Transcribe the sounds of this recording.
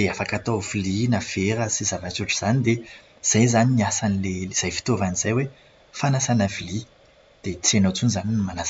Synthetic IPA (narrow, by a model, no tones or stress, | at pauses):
eafakat̪ovilinafeɾəsizavat͡suʈ͡ʂuz̥anid̪e | z̥ajzaniniasanileliz̥ajfi̥t̪ovaniz̥ajwe | fanasanavili | d̪̥et͡senot͡sunizaninimanas